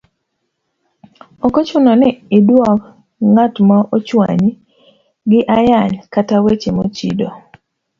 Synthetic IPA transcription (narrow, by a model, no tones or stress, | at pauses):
ɔkot͡ʃʊnɔnɪɪdwɔk | ŋatmaʔot͡ʃwa̰ɲ | ɡɪʔajaɲkatawet͡ʃemot͡ʃḭdo